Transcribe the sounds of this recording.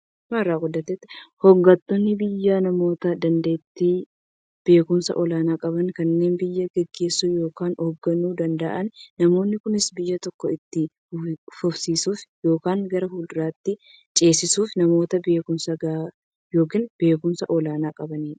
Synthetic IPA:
mɐrːaːɡʊd̪ːɐt̪ːɛt̪ːɪhɔɡːɐt̪ːɔnːɪbɪjːaːnɐmo̞ːt̪ɐd̪ɐnd̪e̞ːt̪ːiː | b̥e̞ːkʊmsɐ̰ʔɔlaːnaːkʼɐbɐnkɐnːe̞ːnbɪjːɐɡɛɡːe̞ːsːuːjo̞ːkaːnɔɡːɐnuːd̪ɐnd̪ɐʔɐnnɐmo̞ːnːɪkʊnɪsbɪjːɐt̪ɔkːɔɪt̪ːɪ | fʊfsiːsuːfjo̞ːkaːŋɡɐɾɐɦuːld̪ɪɾaːt̪ːɪ | t͡ʃʼe̞ːsɪsuːfnɐmo̞ːt̪ɐbe̞ːkʊnsɐɡa | jo̞ːkiːnb̥e̞ːkʊmsɐʔɔlaːnaːkʼɐbɐniːᶑɐ̥

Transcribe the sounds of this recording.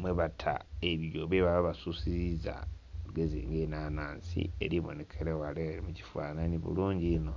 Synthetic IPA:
mweβatʰa̰eβjoβeβaβaβasusiɾiza̰ | luɡe̞zḭːŋɡenaːnaːnsḭe̞̰ɾiβo̞̰ne̞kʰelewaleɾimuci̥fwa̰ːnaniβṵluːɲɟino̞

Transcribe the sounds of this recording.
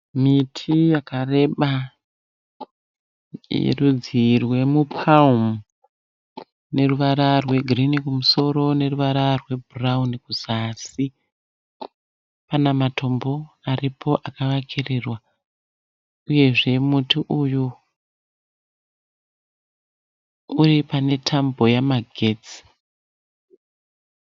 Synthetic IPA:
mitʰijakare̞ɓa | jḛrud͡zirwe̞mupʰalmu | ne̞ruʋaɾarwe̞ɡʱirinikumuso̞ɾo̞ne̞ruʋaɾarwe̞bʱuraunikuzasi | panamatʰo̞mbo̞ | aripʰo̞ʔakaʋakʰirirwa | uje̞ʐe̞mutiʔuju | uripane̞tʰambo̞jamaɡʱe̞t͡si̥

